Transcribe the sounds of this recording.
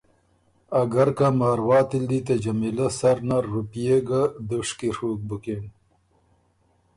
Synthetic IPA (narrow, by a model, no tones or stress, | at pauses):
aɡaɾkamɑːɾwɑːt̪ild̪it̪ad͡ʒamilasaɾnaɾupijeɡad̪uʂkiɾuk̚buken